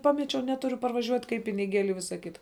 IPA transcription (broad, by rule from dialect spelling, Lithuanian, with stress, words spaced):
ˈpɑːmʲɛt͡ʃʲɛʊ ˈnʲæːtʊrʲʊ pɐrʋɐˈʒʲuɔtʲ kɐɪp pʲɪnʲɪˈɡʲeːlʲɪ ɪ ˈʋʲɪsɐ ˈkʲɪtɐ